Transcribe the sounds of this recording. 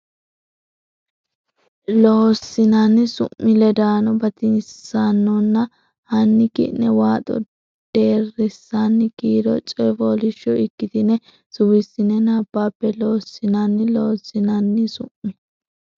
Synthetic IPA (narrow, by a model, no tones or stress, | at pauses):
loːsɪnanɪsʊ̰ʔːɪlɛd̪aːnɔbɐt̪ɪnsanːɔnːɐ | hɐnːɪkɪ̰ʔnɛwaːt̪ʼɔ̰ | d̪̥e̞ːrɪsːanːɪkiːd̪ɔt͡ʃʼɛfɔːlɪʃːɔɪkːɪt̪ɪnɛ | sʊwɪsːɪnɛnaːbːaːpːɛloːsːɪnanːɪloːsːɪnɐnːɪsʊ̰ʔmːɪ